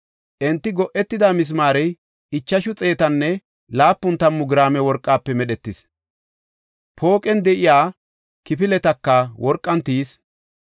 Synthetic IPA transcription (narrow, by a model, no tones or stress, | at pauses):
ʔɛnt̪ːɪɡɔʔɛt̪ːɪd̪amɪs̬maːɾɛj | ɪt͡ʃːɐʃʊt͡sʼe̞ːt̪ɐnːɛ | laːpːʊnt̪ɐmːʊɡɪɾaːmɛwɔɾkʼːaːpːɛmɛɗɛt̪ːɪs | pʰo̞ːkʼɛnd̪ɛʔɪjaː | kɪpɪlɛt̪ɐkːɐwɔɾkʼːɐnt̪iːs